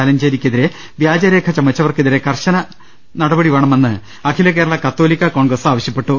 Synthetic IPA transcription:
aːlɐmd͡ʑeːɾikʲːɐðiɾe | ʋjaːd͡ʑɐɾe̞ːkʰɐt͡ɕɐmːɐt͡ɕːɐʋɐrkeðiɾe̞kɐrɕɐnɐ | nɐɽɐbɐɽiʋe̞ːɳɐmenːɨ | ɐkʰilɐk̬e̞ːɾɐɭɐkɐt̪ːoːlikʲːɐkoːɳɡrɐsaːʋɐɕjɐpːe̞ʈːu

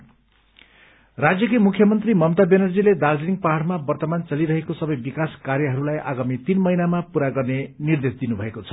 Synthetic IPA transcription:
rad͡zjʌkimukʰjʌmʌnt̪rimʌmt̪abenʌrd͡ziled̪ard͡zeniŋ̚paɦaɽmabʌrt̪ʌmant͡sʌliɾʌɦekosʌbʌjbikaskarjʌɦʌɾulajʔa̰ɡamit̪inmʌɦinamapuɾaɡʌrnenird̪esd̪inubʱʌekot͡sʰʌ̥

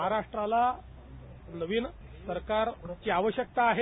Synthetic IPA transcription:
ɦaɾaʂʈɾala | nəʋiːn | səɾkaɾt͡ɕiːaʋəɕjək̚t̪aːɦe

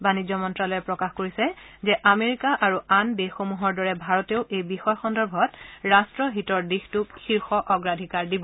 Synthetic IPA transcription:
banizɔmɔntɹalɔjɛpɹɔkaxkoɹisɛzɛʔameɹikaʔaɹuandexomuɦɔɹdɔɹɛbʱaɹɔteʊʔejbixɔjɔxɔndɔɹbʱɔtɹastɹɔɦitɔɹdixtukxiɹxɔʔɔɡɹadʱikaɹdibɔ

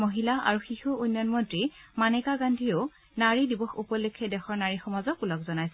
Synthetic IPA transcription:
moɦilaa̰ɹuxixuunjɔnmɔntɹimanɛkaɡandʱio | naɹidibɔxupɔlekʰːɛdɛxɔɹnaɹixɔmazɔkulɔkzɔnajsɛ

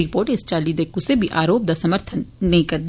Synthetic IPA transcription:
ɾɪpoːɾʈɪst͡ʃaːlid̪eːkũsebʱiʔaːɾoːp̚d̪asɐməɾt̪ʰənːɐɦĩkɐɾd̪

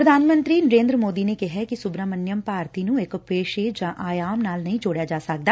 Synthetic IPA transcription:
ɾəd̪ʱaːnmə̃nt̪ɾiːnəɾẽːnd̪ɾəmoːd̪iːneːkɪɦɛːkɪsʊbɾaːmənjəmpaːɾt̪iːnũːɪkpeːʃeːd͡ʒãːʔaːjaːmnaːlnəɦĩːd͡ʒoːɽjaːd͡ʒaːsək̚d̪aː

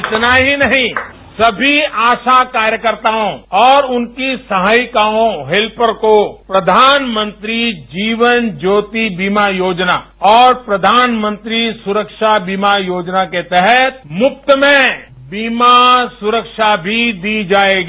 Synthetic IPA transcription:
ɪt̪naɦinɐɦĩ | sɐbʱiaːʃakaːɾjəkəɾt̪aõɔːɾʊnkisɐɦaːjkaːõɦelpəɾkopɾɐd̪ʱaːnmə̃nt̪ɾid͡ʒiːʋənd͡ʒoːt̪ibiːmajoːd͡ʒna | ɔːɾpɾɐd̪ʱaːnmə̃nt̪ɾisʊɾəkʃabiːmajoːd͡ʒnaket̪ɛɦɛt̪̚mʊp̚t̪əmẽ | biːmasʊɾəkʃabʱid̪id͡ʒaːeːɡiː

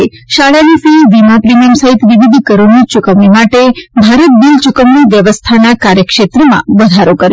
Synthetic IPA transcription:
e | ʃaɭanisiʋimapɾimijəmsəɦit̪ʋiʋid̪ʱkəɾunit͡ʃʊkəmimaʈebʱaɾət̪̚b̪ilt͡ʃukəmniʋjəʋəst̪ʰanakaɾjəkʃet̪ɾəmã̰ʋəd̪ʱaɾokəɾj

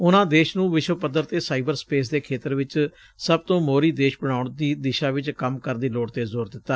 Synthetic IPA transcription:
ʊnãːd̪eːʃnũːʋɪʃʋəpəd̪ːəɾt̪eːsaːiːbəɾspeːs̬d̪eːkʰeːt̪əɾʋɪt͡ʃ | səbt̪õːmoːɾiːd̪eːʃbəɽ̃aːʊɳd̪iːd̪ɪʃaːʋɪt͡ʃkəmkəɾd̪iːloːɽt̪eːzoːɾd̪ɪt̪ːaː

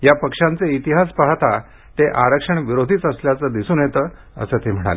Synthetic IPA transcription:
japəkʂant͡seit̪iɦaspaɦt̪a | t̪eʔaɾəkʂəɳʋiɾod̪ʱiːt͡səsljat͡səːd̪isuːnjet̪əː | ə̰sət̪em̤əɽ̃a̰le

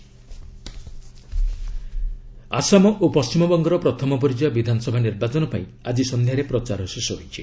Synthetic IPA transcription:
a̰samɔʔopɔst͡ʃimɔbɔŋɡɔɾɔpɾɔt̪ʰɔmɔpɔɾid͡ʒɔjabid̪ʱanɔsɔbʱaniɾbat͡ʃɔnɔpaĩ | ad͡ʒisɔnd̪ʱjaɾepɾɔt͡ʃaɾɔsesɔɦojt͡ʃʰi

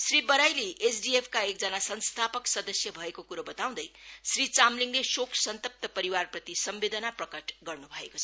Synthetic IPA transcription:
sribʌɾajliʔesɖiepʰkaek̚d͡zʌnasʌnst̪ʰapʌksʌd̪ʌsjʌbʱʌekokuɾobʌt̪aw̃d̪ʌjsrit͡samliŋlesokʰsʌnt̪ʌp̚t̪ʌpʌɾiwarprʌt̪isʌmbed̪ʌnaprʌkʌʈɡʌrnubʱʌeko̥t͡sʰʌ

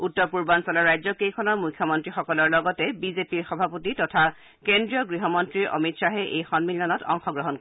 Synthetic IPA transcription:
utːɔpuɹbansɔlɔɹajzɔkejkʰɔnɔɹmujkʰːjɔmɔntɹixɔkɔlɔɹlɔɡɔtɛbizepiɹxɔbʱapotitɔtʰa | kendɹiɔɡɹiɦɔmɔntɹiɹʔɔ̰mitsaɦɛʔejxɔnmilɔnɔtɔ̰ŋxɔɡɹɔɦɔnkɔ

